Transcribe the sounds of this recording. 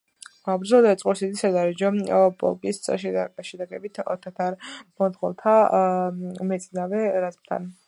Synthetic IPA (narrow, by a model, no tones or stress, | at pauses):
abɾdzɛlɔd̪aɛt̪sʼqʼuɾsid̪isad̪aɾɛd͡ʒɔbʼɔ̰lkʼissʼʃɛʃɛd̪aɡɛbit̪ʰɔ̰t̪ʰat̪ʰaɾmɔnt̪χɔ̰lˠt̪ʰa | mɛt̪sʼinavɛɾazpt̪ʰa̰n